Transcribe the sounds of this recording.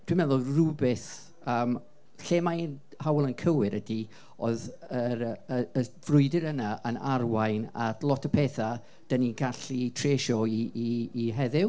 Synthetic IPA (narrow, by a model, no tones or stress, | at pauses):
d̥wimɛðʊlrubɪθ | əːm | ɬeːmajn | hawlˠənkʰəwɨɾʔədi | oð | əɾəəv̥rʊɨdɪɾənaʔənarwajnatlˠɔtʰəpʰɛːθa | d̥əniɡaɬitʰreːʃɔiː | ɦɛðɪw